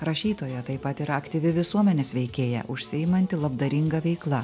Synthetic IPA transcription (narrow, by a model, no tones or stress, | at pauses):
ɾɐʃʲiːt̪oːjɛt̪ɐɪpɐt̪ɪɾɐɐkt̪ʲiʋʲɪʋʲɪsuɔmʲɛnʲeːsʋʲɛɪkʲeːjɛ̰ʔʊʃʲsʲɪɪmɐnʲt̪ʲɪlˠɐbd̪ɐɾʲɪŋɡɐʋʲɛɪklˠɐ